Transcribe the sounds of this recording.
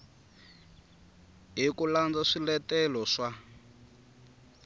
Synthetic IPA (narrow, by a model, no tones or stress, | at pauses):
ɦikuland͡zaʂilɛtɛlɔʂa